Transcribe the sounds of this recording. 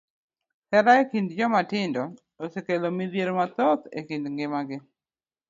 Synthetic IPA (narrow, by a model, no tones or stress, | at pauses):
hɛɾaekindd͡ʒɔmatɪndɔ | osekelomiðjeɾomat̪ɔt̪ḛkindŋɡɪmaɡɪ